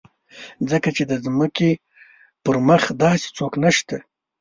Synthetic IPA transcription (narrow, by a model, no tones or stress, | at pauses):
d͡zəkat͡ʃed̪əzməke | pəɾməxd̪ɑse̥t͡soknaʃt̪a